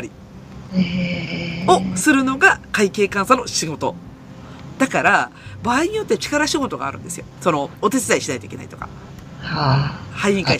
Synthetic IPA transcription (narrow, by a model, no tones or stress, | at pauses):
oɾʲi | o̞sɨɾɯ̟no̞ɡakaike̞ːkãɰ̃sano̞ɕiɡo̞t̪o̞ | d̪̥akaɾabaːiɲ̟ijo̞t̪ːet͡ɕi̥kaɾaɕiɡo̞t̪o̞ɡa̰ːɾɯ̟̃nd̪e̞sɨjo̞so̞no̞ːt̪e̞t͡sɨzaiɕinait̪oikʲe̞nai̥t̪o̞kḁ̰ | hahaiĩŋkai